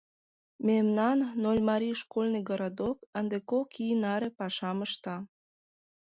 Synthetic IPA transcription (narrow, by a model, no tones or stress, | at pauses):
memnɑnːolʲmɑɾijʃkolʲnəjɡoɾod̪okənd̪ekokinɑɾepɑʃɑməʃt̪ɑ